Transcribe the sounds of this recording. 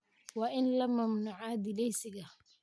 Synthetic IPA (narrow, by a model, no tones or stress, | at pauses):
wɑːʔɪnlɐmɐmnuːʕɑːd̪ɪlɛjsɪɣɐ